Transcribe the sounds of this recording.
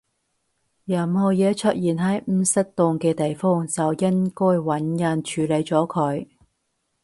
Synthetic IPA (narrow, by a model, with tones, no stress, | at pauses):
jɐ˨˩mhɔː˨˩jɛː˨˧t͡ʃʰɵ˥t̚jiː˨˩nɦɐ˨˥jm̩ː˨˧sɐ˥k̚t̪ʊ˧ŋkɛː˧t̪e˨jfɔː˥ŋt͡sɐ˨wjɐ˥nkɔː˥jwɐ˨˥njɐ˧nt͡ʃʰyː˨˥le˨˧jt͡sɔː˨˥kʰɵ˨˧j